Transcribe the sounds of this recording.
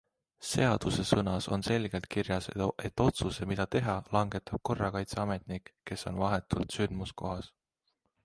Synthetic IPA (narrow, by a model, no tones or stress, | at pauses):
se̞ɑd̪̥use̞sɤnɑso̞nse̞lɡ̥e̞lt̪̚kirjɑseʔe̞t̪ːˑo̞t̪suse̞mid̪̥ɑt̪e̞ɦɑlɑŋɡe̞t̪ːˑɑb̥̚ko̞rːɑkɑjt̪seɑme̞t̪ˑnikːe̞so̞̰nvɑɦe̞t̪ːˑult̪synd̪̥musko̞ɦɑs